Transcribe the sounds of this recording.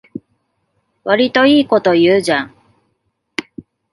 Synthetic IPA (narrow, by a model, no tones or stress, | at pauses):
βaɾʲit̪o̞iːko̞t̪o̞jɯːʑãŋ